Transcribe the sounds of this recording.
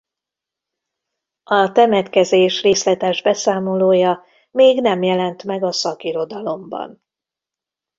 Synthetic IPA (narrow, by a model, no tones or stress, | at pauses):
ɒt̪ɛmɛt̪kɛzeːʃreːslɛt̪ɛʒbɛsaːmo̞loːjɒ | meːɡnɛmjɛlɛnt̪mɛɡɒsɒkiɾo̞d̪ɒlo̞mbɒ̰n